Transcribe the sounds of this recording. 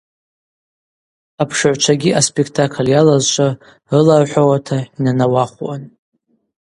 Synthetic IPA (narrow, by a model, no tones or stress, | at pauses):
apʰʂɨʕʷt͡ʃʷʰaɡʲiʔaspʼekʰtʰakʰljalazt͡ʃʷʼa | rɨlarħʷᶣawatʰainanawaχʷwa̰n